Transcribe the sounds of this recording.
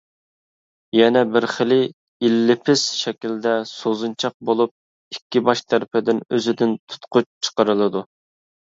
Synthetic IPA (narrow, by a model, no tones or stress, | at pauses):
jɛnɛbɪɾχəlɪ | ilːɪpʰɪsʃɛkʲild̪ɛsozunt͡ʃʰɑq̚bolˠup̚ | ikʲːibɑʃt̪ʰæɾɪpʰɪd̪ɪnøzɪd̪ɪnt̪ʰu̥t̪qʊt͡ʃt͡ʃʰə̥qəɾɨlˠɨd̪u